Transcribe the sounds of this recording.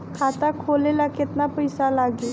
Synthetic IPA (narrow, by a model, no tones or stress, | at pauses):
kʰat̪akʰoːlelakɪt̪napəjsalaɡeː